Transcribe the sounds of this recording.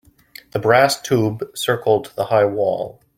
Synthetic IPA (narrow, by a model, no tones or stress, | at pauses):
ðəbɹæstʰubsɜ˞kl̩ˠd̪̚ðəhaɪwɔ̰lˠ